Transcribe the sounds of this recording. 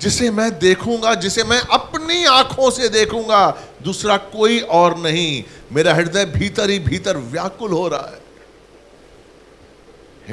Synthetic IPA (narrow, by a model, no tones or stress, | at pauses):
d͡ʒɪsemɛ̃d̪eːkʰũːŋɡad͡ʒɪsemɛ̃ʔɐpniãːkʰõsed̪eːkʰũːŋɡa | d̪uːsɾakoːiʔɔːɾnɐɦĩmeːɾaɦɪɽd̪abʱiːt̪əɾɦibʱiːt̪əɾʋjaːkʊlɦoːɾɐa̰ɦɛː